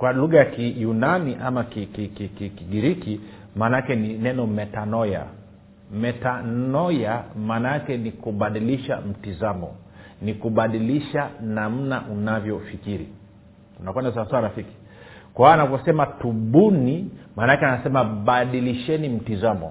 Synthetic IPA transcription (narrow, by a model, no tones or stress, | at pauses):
kwaluɣajakijunaniʔamakikikikikiɡiɾiki | maːnakɛninɛnɔmɛtanɔja̰ | mɛtanɔjamaːnaakɛnikuɓaɗiliʃa̰m̩tizamɔ̰ | nikuɓaɗiliʃanam̩naʔunavjɔfikiɾḭ | unakwɛndasaaswaɾafiki̥ | kwaaanavɔsɛmatuɓunimaːnakɛanasɛmaɓaɗiliʃɛnim̩tizamɔ̰